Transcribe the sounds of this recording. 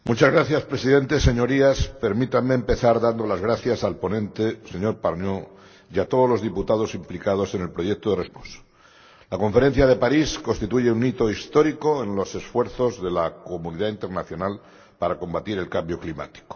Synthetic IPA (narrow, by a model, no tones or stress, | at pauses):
mut͡ʃazɣɾaθjaspɾe̞siðẽ̞nt̪e̞se̞ɲo̞ɾiaspe̞ɾmit̪ameːmpe̞θaɾðand̪o̞lazɣɾaθjasalpo̞nẽ̞nt̪e̞se̞ɲo̞ɾpaɾɲo | jat̪oð̞o̞lo̞zðiput̪að̞o̞simplikað̞o̞se̞ne̞lpɾo̞ʝek̚t̪oðeresposo̥ | lako̞ɱfe̞ɾẽ̞n̟θjaðe̞paɾisko̞nst̪it̪uʝeunit̪o̞ist̪o̞ɾiko̞enlo̞se̞sfwe̞ɾθo̞zðe̞lako̞muniðaint̪e̞ɾnaθjo̞nal | paɾako̞mbat̪iɾe̞lkambjo̞klima̰t̪i̥ko̥